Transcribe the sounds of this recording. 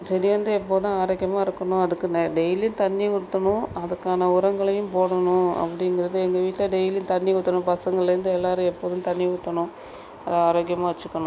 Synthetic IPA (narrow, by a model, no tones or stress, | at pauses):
sɐɾiɾɐnd̪ɯɛpːoːt̪ãːaːɾoːkɪjɐmaːɪɾɯkːɐɳʊ̃ɐðɯkːɯnɖɛjlijnt̪ɐnːikʊɽɯt̪ːɐɳʊ̃ɐðɐkːaːnɐʊɾɐŋɡɐɭɐjʊ̃mpoːɽɐɳʊ̃ɐ̰pːɐɽɪŋɡɪɾɐðɯɛŋɡɐʋiːʈːlɐɖɛjljnt̪ɐnːikʊt̪ːɐɳʊ̃pɐsɐŋɡɐɭɪlɐɾɯnd̪ɯɛlːaːɾɯ̃ɛpːoːðʊ̃mt̪ɐɳːiʊt̪ːɐɳʊ̃ | ɐðɯaːɾoːɣɪjɐmaːʋɐt͡ʃːɯkːɐɳʊ̃